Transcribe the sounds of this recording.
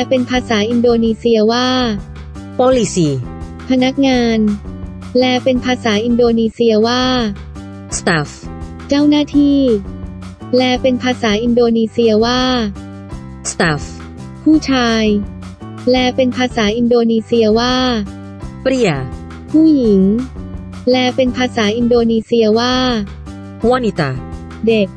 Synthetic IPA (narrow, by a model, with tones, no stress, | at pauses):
ɛ˧pe˧npʰaː˧saː˩˦ʔi˧ndoː˧niː˧si˧ɐwaː˥˩ | pɔː˧˥li˧siː˧˩ | pʰa˧na˦˥k̚ŋaː˧n | lɛː˧˥pe˧npʰaː˧saː˩˦ʔi˧ndoː˧niː˧si˧ɐwaː˥˩ | st̪a˦˥f | t͡ɕa˥˩wnaː˥˩t̪ʰiː˥˩ | lɛː˧˥pe˧npʰaː˧saː˩˦ʔi˧ndoː˧niː˧si˧ɐwaː˥˩ | st̪ːf | pʰuː˥˩t͡ɕʰaː˧j | lɛː˧pe˧npʰaː˧saː˩˦ʔi˧ndoː˧niː˧si˧ɐwaː˥˩ | pɾi˧˩ə | pʰuː˥˩ji˩˦ŋ | lɛː˧pe˧npʰaː˧saː˩˦ʔi˧ndoː˧niː˧si˧ɐwaː˥˩ | u˧a˥˨ni˧t̪a˧˩ | de˨˩k̚